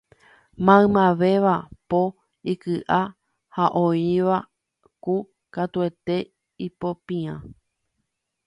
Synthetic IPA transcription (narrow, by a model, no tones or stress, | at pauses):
mãɨ̃mãʋe̞ʋapo | ikɨʔa | haʔõiʋa | ku | kat̪ue̞t̪e̞ | ipo̞pĩã